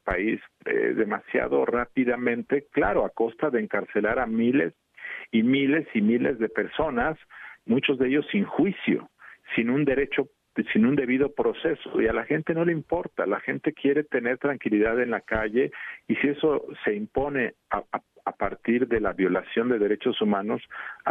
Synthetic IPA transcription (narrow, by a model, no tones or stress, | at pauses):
paisḛðe̞masja̰ðo̞̰rapiðamẽ̞nt̪e̞kla̰ɾo̞ako̞st̪aðeːŋkaɾse̞laɾamile̞̰s | imile̞simile̞zðe̞pe̞ɾso̞nasmũt͡ʃo̞zðeʝo̞siŋxwisjo̰sinũnd̪e̞ɾe̞t͡ʃo̞ | sinũnd̪e̞βiðo̞pɾo̞se̞so̞̰ialaxe̞nt̪e̞no̞leimpo̞ɾt̪a̰laxe̞nt̪e̞kje̞ɾe̞t̪e̞ne̞ɾt̪ɾaŋkiliðaðe̞nlakaʝe̞isie̞so̞se̞impo̞ne̞aa | apaɾt̪iɾðe̞laβjo̞lasjo̞nd̪e̞ðe̞ɾe̞t͡ʃo̞sumãno̞s